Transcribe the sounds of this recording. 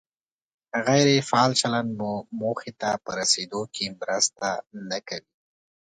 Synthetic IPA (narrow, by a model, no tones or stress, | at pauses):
ɣajɾefɑːlt͡ʃalanmumoxet̪apəɾased̪okʰemɾəst̪anakawi